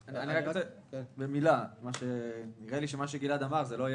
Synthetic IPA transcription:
anianiʁakose | bemilamaʃeniʁeliʃemaʃ̬eɡilad̪amaʁzeloaj

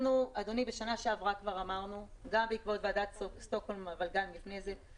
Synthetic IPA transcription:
nuad̪o̞nibeʃanaʃeavʁakvaʁamaʁnuɡambeikvo̞t̪veadat̪st̪okholmavalɡalmlifnejze̞

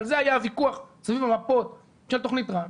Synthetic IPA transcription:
lzeajavikuaχsavivamapo̞t̪̚ | ʃelt̪o̞χnit̪ʁa

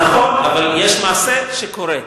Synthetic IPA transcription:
aχo̞navaljeʃmaːseʃekoɾe

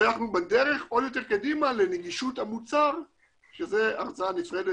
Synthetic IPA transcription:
jaχnubad̪eʁe̞χo̞d̪jo̞t̪̬eʁkad̪imaleneɡiʃut̪hamut͡saʁ | ʃezeaʁt͡sanifʁele

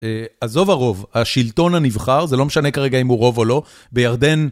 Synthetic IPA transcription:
eazo̞vaʁo̞vhaʃilto̞nanivχaʁzelo̞meʃane̞kaʁe̞ɡaimuʁo̞vo̞lo̞ | bejaʁd̪e̞n

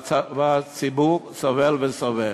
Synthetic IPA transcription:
vat͡sibuʁsovɛlvesove

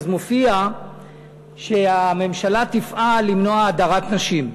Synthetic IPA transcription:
zmofia | ʃe̞ame̞mʃalat̪ifʔalimnoaːdaʁat̪naʃim

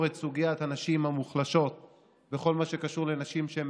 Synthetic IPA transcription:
ʁet̪suɡijat̪hanaʃimhamuχlaʃo̞t̪̚ | beχo̞lmaʃekaʃuʁlenaʃimʃeem

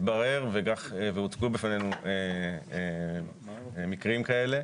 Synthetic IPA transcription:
t̪baʁe̞ʁveɡaχveut͡skubefanenuee | mikʁimkae̞le̞

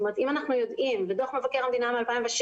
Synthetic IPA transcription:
tomeʁetimanaχnujo̞d̪imbed̪oχmevakeʁamed̪inamealpaimveʃ

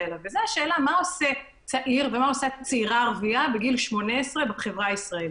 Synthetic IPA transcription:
lavezeaʃe̞ːlamao̞se | t͡saʔiʁve̞mao̞sat͡seiʁaʁviabeɡilʃmo̞neesʁebaχe̞vʁaisʁael

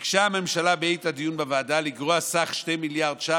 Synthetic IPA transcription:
kʃeame̞mʃalabeejt̪ad̪ijunbeveːdalikʁoasaχʃtemiljaʁdʃa

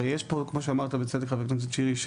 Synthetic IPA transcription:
jeʃpokmoʃ̬eamaʁt̪abet͡sed̪ekχaveknonz̬et͡ʃiʁiʃ

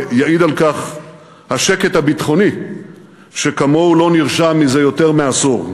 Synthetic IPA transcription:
jaʔid̪alkaχ | haʃeke̞t̪habit̪χo̞ni | ʃekamo̞ulo̞niʁʃamːize̞jo̞t̪eʁmeasuʁ

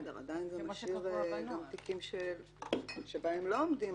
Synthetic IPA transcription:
d̪eʁa̰dajinzemaʃiʁɡamt̪ikimʃe | ʃebaemlo̞omdi

